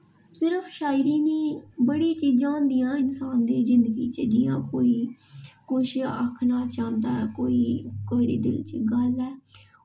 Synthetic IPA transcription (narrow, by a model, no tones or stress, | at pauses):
sɪɾəfʰʃaːɪɾiːniːbəɽiːt͡ʃiːd͡ʒãːnd̪ijãːɪnsaːnd̪eːzɪ̃nd̪əɡiːt͡ʃd͡ʒɪːãːkoːiːkoːʃəkʰnaːt͡ʃãːnd̪aːɛːkoːiːkoːiɾḛːd̪ɪlt͡ʃɡəlɛː